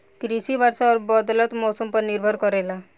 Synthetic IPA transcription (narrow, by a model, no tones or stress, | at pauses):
kɾisibʱaɾsaɔɾbɔd̪lɔt̪mɔsɔmpɔɾniɾbʱɔɾkɔɾela